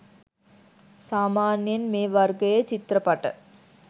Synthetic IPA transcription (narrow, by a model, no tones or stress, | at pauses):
saːmaːnjɐnmeːʋɐɾɡɐjɐt͡ʃit̪ɾɐpɐʈɐ̰